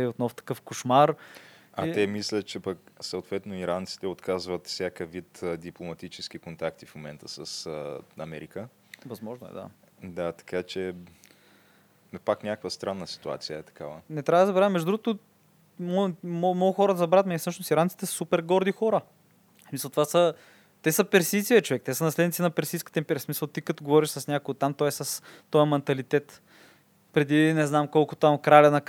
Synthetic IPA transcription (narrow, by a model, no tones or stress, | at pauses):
ɛot̪nɔft̪ɐ̥kɤfkoʃmaɾat̪ɛmislʲət̪̚t͡ʃɛpɐksəot̪vɛt̪noiɾant̪si̥t̪ɛot̪kazvət̪fsʲjakəvit̪ːd̪iplˠomɐt̪it͡ʃɛsk̟ikont̪akt̪ifmomɛnt̪əsəsɐmɛɾikə | vɐzmɔʒnoʊɛ̰d̪a̰d̪at̪ɐ̥kat͡ʃɛ | paknʲakəkvəst̪ɾanːəsi̥t̪ua̰t̪sijəɛt̪ɐ̥kavənɛt̪ɾʲavɐəd̪əzɐbɾamːɛʒd̪ʊd̪ɾuɡʊt̪o | mɔmɔmɔɡʊxɔɾəd̪ɐzɐbɾat̪mɛɛfsɤʃnosiɾant̪sit̪ɛsɐ̥supɛɾɡɔɾd̪ixɔɾə | smisəlˠt̪ovasə | t̪ɛsəpɛɾsisiɐt͡ʃovɛkt̪ɛsənɐslɛd̪nit̪inɐpɛɾsiːskə̥t̪ɛmpɛɾʲiəsmisəlˠt̪ikət̪oɡovɔɾiʃsɐsnʲakoɡot̪amt̪ɔɛsɐst̪ɔjɐmɛnt̪ɐlit̪ɛt̪ | pɾɛd̪inɛznamkolˠkʊt̪amkɾalʲɛnɐk